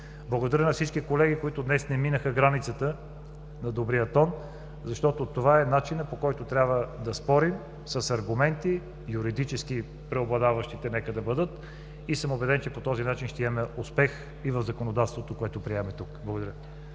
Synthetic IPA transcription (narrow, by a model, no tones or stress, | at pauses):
blˠɐɡod̪ɐɾʲjənɐfsit͡ʃkikolɛɡikoit̪ʊd̪nɛsnɛminəxəɡɾanit̪sət̪ə | nɐd̪obɾijət̪ɔn | zɐʃt̪ɔt̪ot̪ovaɛnat͡ʃinəpokɔjt̪ot̪ɾʲjabvəd̪ɐspɔɾim | səsɐɾɡʊmɛnt̪i | jʊɾid̪it͡ʃɛski | pɾɛoblˠɐd̪avəʃt̪it̪ɛnɛkəd̪ɐbəd̪ət̪ | isəmobɛd̪ɛnt͡ʃɛpot̪ɔzinat͡ʃinʃt̪ɛimɛʊspɛx | ivəvzɐkonod̪at̪st̪vot̪okoɛt̪opɾiɛmɛt̪ukblˠɐɡod̪ɐɾʲjə